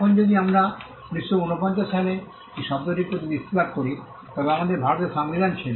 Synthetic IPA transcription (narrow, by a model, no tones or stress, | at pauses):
kʰond͡ʑod̪iamɾa | pniʃːounopɔɲt͡ɕaʃale | iʃɔbd̪oɾiɾpɾot̪ibist̪ibad̪̚koɾi | t̪ɔbeamad̪eɾbʱaɾot̪eɾʃamnid̪ant͡ɕʰen